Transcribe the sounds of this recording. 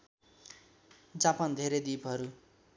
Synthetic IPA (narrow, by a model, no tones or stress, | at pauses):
d͡zapand̪ʱeɾed̪ipʌɾu